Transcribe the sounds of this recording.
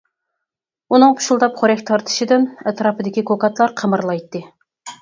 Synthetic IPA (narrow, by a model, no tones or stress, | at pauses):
unɨŋqʰʊ̥ʃulˠd̪ɑpχoɾɛkʲt̪ʰɑɾt̪ʰɨ̥ʃid̪ɪnɛt̪ɾɑːpʰɨd̪ɪkʲikʰokɑt̪lˠɑɾqʰəmɨɾlˠɑjt̪ːɨ